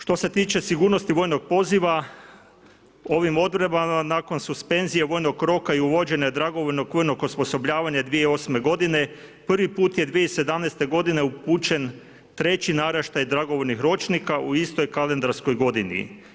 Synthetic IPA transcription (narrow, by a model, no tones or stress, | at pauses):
ʃt̪o̞se̞t̪iːt͡ʃe̞siɡuːɾno̞st̪iʋo̞ːjno̞ɡ̚po̞ziʋa | o̞ʋimo̞d̪bɾebamanaːko̞nsuspe̞nzijeʋo̞jno̞ɡɾo̞kaiuʋo̞d͡ʑe̞ɲad̪ɾaɡo̞ʋoʎno̞ɡʋo̞jnoɡospo̞so̞bʎʲaːʋaɲad̪ʋijeio̞sme̞ɡo̞d̪ine̞ | pr̩ʋipuːt̪je̞d̪ʋijeise̞d̪amnest̪e̞ɡo̞d̪ine̞upuːt͡ʃe̞n | t̪ɾe̞t͡ɕinaɾaʃt̪ajd̪ɾaɡo̞ʋoʎnixɾo̞t͡ʃnikaʔuist̪o̞jkalend̪aɾsko̞jɡo̞d̪inḭ